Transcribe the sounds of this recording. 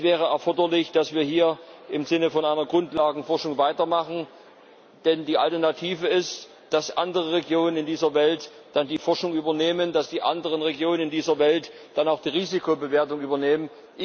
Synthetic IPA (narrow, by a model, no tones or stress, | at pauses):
sv̥ɛːʁəɛɐfɔɐdɐlɪçd̥asv̥iːɐɦiːɐʔɪmzɪnəfɔnʔaɪnɐɡʁʊntlaːɡŋ̩fɔɐʃʊŋvaɪtɐmaχn̩ | d̥ɛndiːa̰ltɛɐnatʰiːvəɪst | d̥asʔa̰ndəʁəʁeɡjoːnənɪndiːzɐvɛlt | d̥andiːfɔɐʃʊŋyːbɐneːməndasd̥iːʔa̰ndəʁənʁeɡjoːnənɪndiːzɐvɛlt | d̥anaʊxd̥iːʁiːzikʰobəveːɐtʊŋʔyːbɐneːmən